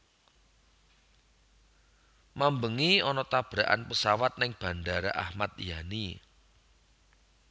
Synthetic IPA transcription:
mambəŋiɔnɔt̪ab̥ɾaʔa̰npəsawat̪̚nɪŋb̥ä̤ndaɾaʔahmat̪̚jani

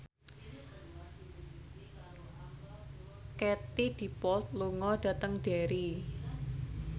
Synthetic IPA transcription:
kɛt̪id̪̥i̤pɔt̪̚luŋɔɖ̥ä̤t̪əŋɖ̥eɾi

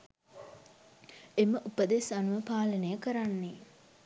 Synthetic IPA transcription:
eməʔupəd̪esanuʋəpaːlənəjəkəɾanːe

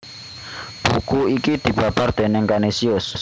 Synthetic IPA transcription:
b̥ukuikid̪̥i̤b̥apard̪̥enɛŋkanesiʊs

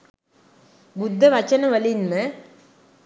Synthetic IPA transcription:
bud̪ʱːɐʋɐt͡ʃɐnɐʋɐlinmɐ

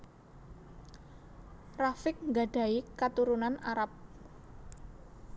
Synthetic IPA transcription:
rafɪk̚ŋɡaɖ̥a̤ikat̪uɾunanaɾap̚

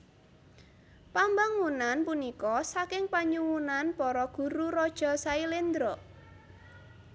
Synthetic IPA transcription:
pambaŋwunanpunikɔsakɪŋpaɲuwunanpɔɾɔɡ̥ṳɾuɾɔd̥ʒ̥ɔ̤sailɪnd̪ɾɔ

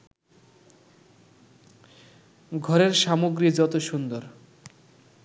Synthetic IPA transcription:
ɡʱɔɾeɾʃamoɡɾid͡ʑɔt̪oʃund̪oɾ

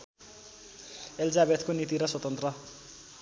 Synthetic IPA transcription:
eld͡zabed̪konit̪iɾʌswʌt̪ʌnt̪rʌ

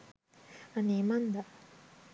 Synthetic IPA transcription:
anemand̪a

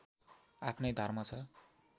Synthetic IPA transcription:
apʰnʌjd̪ʱʌrmʌt͡sʰʌ

